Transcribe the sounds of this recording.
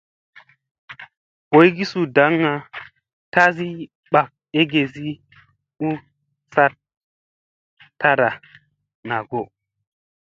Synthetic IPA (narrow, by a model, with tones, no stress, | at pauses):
bo˨˦jɡi˦su˨da˨˦ŋːa˨ | ta˦zi˦ | ɓa˨k̚e˦ɡe˨zi˦ | u˦ | sa˦t | tːa˦ɾa˨ | na˨ɡo˨